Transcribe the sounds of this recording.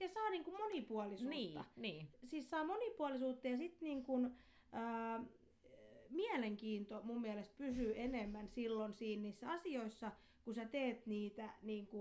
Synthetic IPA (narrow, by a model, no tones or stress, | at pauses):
jɑsɑːniːŋkummonipuɑlisuːɑnisiːssɑːmonipuɑlisuːt̪ːɑjɑsit̪niːŋkun | əː | miæleŋkiːnt̪omummiælest̪̚pysyenemːænsilːonsiːnniːsːæɑsioisːɑ | kusæt̪eːt̪niːt̪æniːŋku